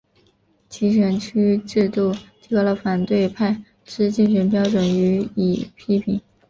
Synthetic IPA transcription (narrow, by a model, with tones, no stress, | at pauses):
t͡ɕʰi˧˥ʂə˧˥nt͡ɕʰy˥ʈ͡ʂɻ̩˥˧t̪u˥˩t̪ʰi˧˥klə˧˩fa˨˩nt̪we˥˧ɪpʰa˥˩ɪ | ʂɻ̩˥˧t͡ɕi˥˩ŋɕə˧˥npjɑ˥ʊʈ͡ʂwə˨˩ny˧˥i˨˩pʰi˥pʰi˧˩˥ŋ